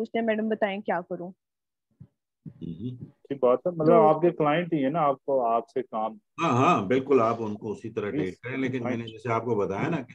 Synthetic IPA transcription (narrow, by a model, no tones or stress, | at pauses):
uːt͡ʃt̪ẽɦɛ̃mɛːɖəmbɐt̪aːẽkjaːkɐɾũː | ɦɦʈʰiːk̚bɔːt̪ɦɛmɐt̪ləbaːp̚keklaːjə̃ɳʈiɦɛnaaːp̚oaːpsekaːmɦãːɦãːbɪlkʊlaːpʊnkoʊsit̪ɐɾaeːʈ̚kɐɾẽleːkɪnmɛːned͡ʒɛːseaːp̚kobɐt̪aːjanake